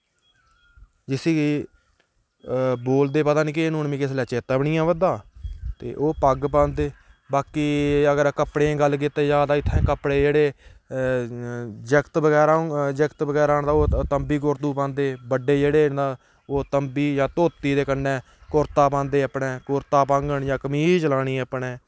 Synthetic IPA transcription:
d͡ʒɪsiːi | boːld̪eːpət̪aːnĩːk̬ɪenuːnmĩːkɪs̬lɛːt͡ʃeːt̪aːbəɳɪːãːbəd̪aːt̪ḛːʔoːpəɡpãːnd̪eː | baːkiːəɡəɾkəpɽẽːɡəlːk̬ɪt̪ːeːd͡ʒaːd̪aːɪt̪ʰːɛ̃ːkəpɽeːd͡ʒeːɽeː | d͡ʒəkt̪bəɡɛːɾad͡ʒəkt̪bəɡɛːɾaːɳd̪aːoːt̪əmbiːk̬oːɾt̪uːpãːnd̪eːbəɖeːd͡ʒeːɽeːd̪aː | oːt̪əmbiːjãːt̪oːt̪iːd̪eːkənːɛ̃ː | kʊːɾt̪aːp̬ãːnd̪eːəpɳɛ̃ːkʊɾt̪aːpãːŋɡəɳjãːkəmiːd͡ʒəlaːɽiːəpɳɛː

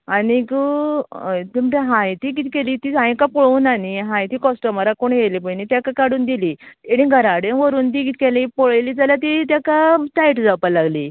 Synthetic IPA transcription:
anikə | t̪iməʈeɦãjt̪iːkit̪ikeliːt̪iːãjkapoɭuːnaniɦãjt̪iːkɔsʈəməɾakoɳjelipənit̪jakakaɽuːnd̪iliːeɽ̃ĩɡʱəɾaɽenʋəɾuːnt̪̬iːkit̪kelipoɭjliːd͡zaljat̪̬it̪̬jakaʈaiʈd͡zawpalaɡliː

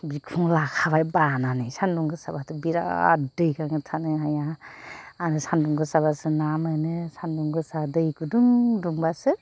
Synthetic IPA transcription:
bikʰuŋlakʰabajbananɯjsanduŋɡɯsabatɯbiɾa̰dɯjkaŋɯtʰanɯɦaja | aɾɯsanduŋɡɯsabasɯnamɯjnɯsanduŋɡɯsadɯjkuduŋduŋbasɯ

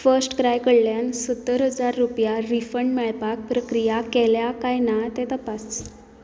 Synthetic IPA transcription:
fəɾsʈkɾajkəɽljansət̪ːəɾɦəd͡zaɾːupjaɾifəɳɖmɛɭpak̚pɾəkɾijakɛljakajnat̪ɛt̪əpas

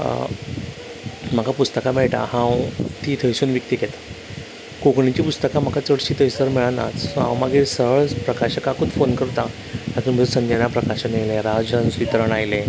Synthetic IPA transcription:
m̤akapust̪əkameɭʈ̪a̰hãwt̪iːt̪ʰəjsuːnʋikt̪iːket̪ḁ | kokɳit͡ɕiːpust̪əkam̤akat͡səɽɕiːt̪ʰəjsəɾmiɭana̰t͡sɦã̰wmaɡisəɦɭpɾəkaɕəkakot̪fonkəɾt̪a | t̪at̪uɾm̤əd͡zsənd͡ʑənapɾəkaɕəneleɾad͡zənsʋit̪ɾəɳajle

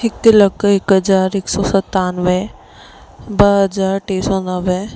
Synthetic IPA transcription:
ɪkləkɪkɦəzaːɾɪksɔːsɐt̪aːnʋe | bɐɦəzaːɾʈeːsɔːnəʋe

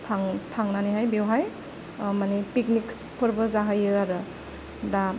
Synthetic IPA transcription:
pʰaŋpʰaŋnaniɦajbewɦaj | manipik̚nikspʰɯɾbɯzaɦajɯaɾɯ | da

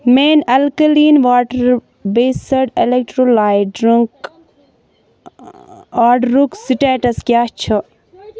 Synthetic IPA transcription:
meːnɐlkəliːnʋaːʈəɾ | beːsɐɖelek̚ʈɾolaːjɖɾiŋk | aːɖɾuksiʈeːʈɐskjaːt͡ʃʰɐ

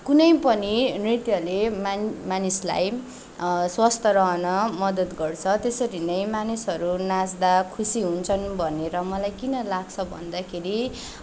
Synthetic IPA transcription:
kunʌjpʌninrit̪jʌlemamanisla̰j | swast̪ʰʌɾʌɦʌnʌmʌd̪ʌt̪ɡʌrt͡sʰʌt̪esʌɾinʌjmanisɦʌɾunad͡zd̪akʰusiɦunt͡sʰʌnbʱʌneɾʌmʌlajkinʌlaɡt͡sʰʌbʱʌ̰nd̪akʰeɾi

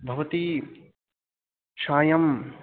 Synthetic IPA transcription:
bʱɐʋɐt̪i | ʃaːjɐm

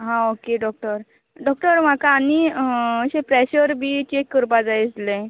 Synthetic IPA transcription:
ɦãokeɖɔk̚ʈəɾ | ɖɔk̚ʈəɾm̤akaːniəɕẽpɾeɕəɾbʱiːt͡ɕekːəɾpad͡zajit͡slẽ

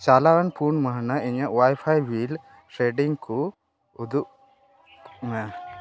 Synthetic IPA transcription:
t͡ʃalaɾanpʰunməɦnaʔiɲaʔwajpʰajwil | sɛɖiŋkɔ | ud̪uʔ | mɛ

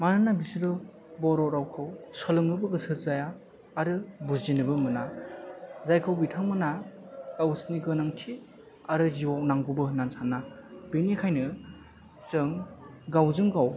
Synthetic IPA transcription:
manɯnabisiɾɯ | bɔɾɔɾawkʰɯwsɔlɯŋnɯbɯɡɯsɯt̚zajaː | ɾɯbuinɯbɯmɯna | zajkʰɯwbitʰaŋmɯnaɡawsniɡɯnaŋtʰi | aɾɯziwawnaŋɡɯbɯnansanːab̥inikʰajnɯ | zɯŋɡawzɯŋɡaw

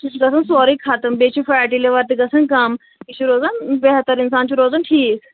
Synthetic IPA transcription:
ɡɐsʰənsoːɾikʰaːt̪əmbeːt͡ɕʰifaaʈileʋɐɾt̪iɡɐsɐnkaːm | it͡ʃʰiɾoːzanbeɦt̪əɾɪnsaːnt͡ɕiɾoːzanʈʰiːs

